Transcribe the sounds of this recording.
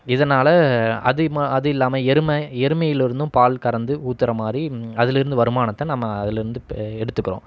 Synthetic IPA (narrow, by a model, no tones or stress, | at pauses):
ɪðɐnaːlɐɐ̰ðɯɐðɯɪlːaːmɐɛɾɯmɐɛɾɯmɐjɪlɪɾɯnd̪ɯ̃mpaːlkɐɾɐnd̪ɯuːt̪ːɪɾɐmaːd̪ɾiɐðɪlɪɾɯnd̪ɯʋɐɾɯmaːnɐt̪ːɐnaːmːɐɐðɪlɪɾɯnd̪ɯɛɽɯt̪ːɯkːɯɾõ̰ː